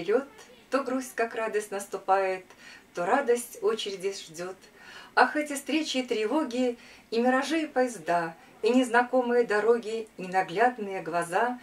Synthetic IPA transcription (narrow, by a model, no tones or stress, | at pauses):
ɾʲo̞t̪ːoɡɾusʲkakrad̪əsʲtʲnəst̪ʊpajɪt̪ːoɾad̪əsʲtʲo̞t͡ɕɪɾʲɪdʲɪʐdʲo̞t̪axɛtʲɪfst̪ɾʲet͡ɕɪːt̪ɾʲɪvo̞ɡʲɪimʲɪɾɐʐɨjəpəjɪzd̪a | inʲɪznɐko̞mɨjəd̪ɐɾo̞ɡʲɪinɐɡlʲad̪nɨjəɡlˠɐza